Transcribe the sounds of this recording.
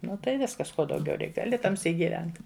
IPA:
ˈnʊ tɐɪ ˈʋʲɪskɐs ˈkoː dɐʊˈɡʲɛʊ ˈrʲɛɪk ɡɐˈlʲɪ tɐˈmʲsʲiːk ɡʲɪˈʋʲɛnt

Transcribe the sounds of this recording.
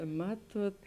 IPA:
ˈmɑːtuɔt

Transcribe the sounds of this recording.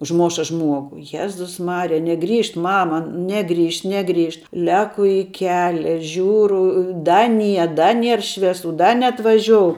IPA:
ʊʒˈmoːʃɐ ˈʒmuɔɡʊ ˈjæːzʊs ˈmɑːrʲɪjɛ nʲɛˈɡrʲiːʃt ˈmɑːmɐ ˈnʲæːɡrʲiːʃt ˈnʲæːɡrʲiːʃt ˈlʲæːkʊ ɪ ˈkʲæːlʲɛ ˈʒʲuːrʊ ˈdɐ ˈnʲiɛ ˈdɐ ˈnʲiɛr ˈʃʲʋʲiɛsʊ ˈdɐ nʲɛɐtʋɐˈʒʲoːʊ

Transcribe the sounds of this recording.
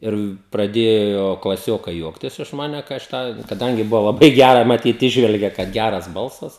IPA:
ˈɪr prɐˈdʲeːjoː klˠɐˈsʲoːkɐɪ ˈjuɔktʲɪs ɪʃ ˈmɑːnʲɛ kɐɪ ɐʃ ˈtɑː kɐˈdɐŋʲɡʲɪ ˈbʊʋoː lˠɐˈbɐɪ ˈɡʲærɐ mɐˈtʲiːt ˈiːʒʲʋʲɛlʲɡʲeː kɐt ˈɡʲærɐs ˈbɐlˠsɐs

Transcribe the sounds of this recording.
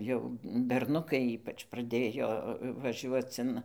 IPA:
jɛʊ bʲɛrˈnʊkɐɪ ˈiːpɐt͡ʃ prɐˈdʲeːjoː ʋɐˈʒʲuɔt͡s ɪn

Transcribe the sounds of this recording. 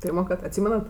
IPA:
ˈpʲiːrmoːˌkɐrt ɐtʲˈsʲiːmʲɛnɐt

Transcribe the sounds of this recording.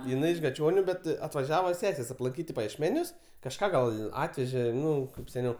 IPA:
jɪˈnɐɪ ɪʃ ɡɐˈt͡ʃʲoːnʲʊ bʲɛt ɐtʋɐˈʒʲæːʋɐ ˈsʲæːsʲeːs ɐplˠɐŋʲˈkʲiːt ɪ pɐjiɛʃʲˈmʲæːnʲʊs kɐʃˈkɑː ɡɐlˠ ˈɑːtʲʋʲɛʒʲeː ˈnʊ kɐɪp sʲɛˈnʲɛʊ

